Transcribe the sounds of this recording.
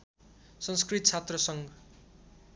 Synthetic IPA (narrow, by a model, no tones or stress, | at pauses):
sʌnskrit̪̚t͡sʰat̪rʌsʌŋɡ